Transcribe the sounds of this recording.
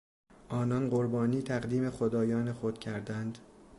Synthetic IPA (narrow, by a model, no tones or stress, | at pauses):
ʔɒːnɒnɢoɾbɒːniːt̪ʰæɢd̪iːmexod̪ɒːjɒːnexod̪̥cʰæɾd̪ænd̪